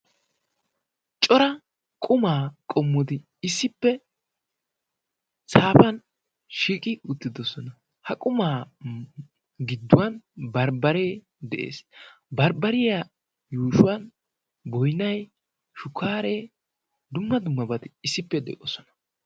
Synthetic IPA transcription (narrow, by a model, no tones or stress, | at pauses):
t͡ʃʼɔɾɐ | kʼʊmaːkʼɔmːɔd̪ɪ | ɪsːɪpːɛ | saːpɐn | ʃiːkʼɪʊt̪ːɪd̪ɔsɔnɐ | hɐkʼʊmaː | ɡɪd̪ːʊwɐnbɐɾbɐɾeː | d̪ɛ̰ʔḛːsbɐɾbɐɾɪja | juːʃʊwɐn | bɔjnɐj | ʃʊkʰːaːɾeː | d̪ʊmːɐd̪ʊmːɐbɐt̪ɪɪsːɪpːɛd̪ɛ̰kʼɔsɔnɐ̥